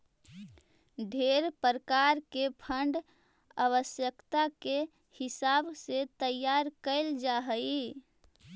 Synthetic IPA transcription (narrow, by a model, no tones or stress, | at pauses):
ɖʱeɾpəɾəkaɾkepʰəɳɖ | aβəsjəkt̪ake | hɪsabset̪əjːaɾkəɪld͡ʒaɦəi